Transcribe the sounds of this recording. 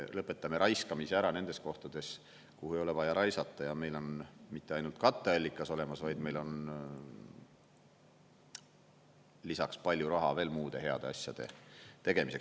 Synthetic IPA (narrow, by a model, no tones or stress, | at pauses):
lɤpːˑe̞t̪ːˑɑme̞ɾʔɑjskɑmiseæɾɑne̞nd̪est̪ko̞ht̪ɑd̪̥e̞s | kuhuejo̞le̞vɑjɑɾʔɑjsɑt̪ˑːɑjɑme̞jlo̞nmit̪ˑːeɑjnult̪̚kɑt̪ːˑeɑlʲːikːˑɑso̞le̞mɑsvɑjd̪̥me̞jlo̞n | lisɑkspɑlʲːjuɾɑɦɑve̞ːlmuːd̪̥e̞ɦe̞ɑ̰d̪̥e̞ɑsʲjɑ̰d̪̥e̞̰t̪e̞ɡ̥e̞mise̞ks